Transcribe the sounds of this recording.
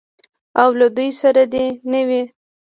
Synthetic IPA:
awlad̪ujsaɾad̪enəwi

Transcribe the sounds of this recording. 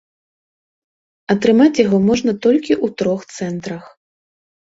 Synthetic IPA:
ɐt̪ɾɨmat͡sʲjaɣɔmɔʐnɐt̪ɔlʲkʲiʔut̪ɾɔxt̪sɛnt̪ɾɐx

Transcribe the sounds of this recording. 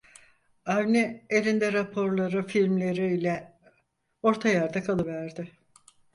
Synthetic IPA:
avnɛelʲind̪ɛɾapʰo̞ɾlˠaɾɯfilʲmlʲe̞ɾiːlʲɛ | o̞ɾt̪ʰajaɾd̪akʰalˠɯvæɾd̪ɪ

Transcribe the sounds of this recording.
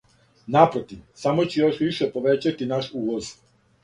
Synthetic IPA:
napɾot̪iʋsamot͡ɕejoʃʋiʃepoʋet͡ɕat̪inaʃuːʋoz̥

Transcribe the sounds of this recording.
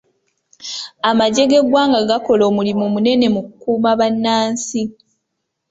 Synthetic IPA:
amaɟe̞ɡe̞ɡwaːŋɡaɡako̞lo̞ːmulimumune̞ne̞mukukuːmaβanːaːnsi

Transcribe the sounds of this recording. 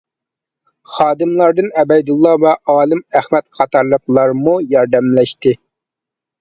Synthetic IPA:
χɑːd̪ɨmlˠɑɾd̪ɨnɛbɛjd̪ulˠːɑvɛʔɑːlˠɨmæχmɛt̪qʰɑt̪ʰɑɾlˠəqlˠɑɾmujɑɾd̪ɛmlɛʃt̪ɪ

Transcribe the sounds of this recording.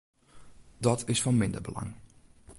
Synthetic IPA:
dɔtʰɪsfɔnmɪndəbəla̰ŋ

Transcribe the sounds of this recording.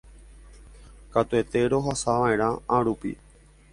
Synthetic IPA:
kat̪ue̞t̪e̞ɾo̞ɦasaʋaẽɾ̃ãaɾupḭ

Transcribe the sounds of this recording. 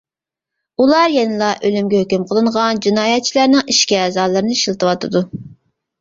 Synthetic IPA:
ulˠɑɾjenɨlˠɑʔølymɡʲɛhøkʲymqʰəlˠɨɴʁɑnd͡ʒinɑːjɛt̪̚t͡ʃʰilˠɑɾnɨŋiʃkʲiɛːzɑːlˠɨɾɨnɨʃilˠt̪ɨwɑt̪ʰɨd̪u

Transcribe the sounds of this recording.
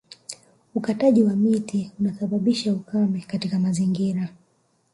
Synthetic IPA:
ukataʄiwamitiunaθaɓaɓiʃaukamɛkatikamaziŋɡiɾa

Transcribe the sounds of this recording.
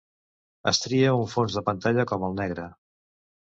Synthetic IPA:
ə̰st̪ɾiəuɱfonzðəpənt̪aʎəkɔməlˠnɛɣɾə

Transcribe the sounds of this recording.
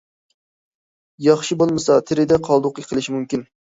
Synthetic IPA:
jɑχʃibolˠmɨsɑt̪ʰɪɾɪd̪ɛqʰɑlˠd̪ʊqjəqʰəlˠɪʃimumkʲin

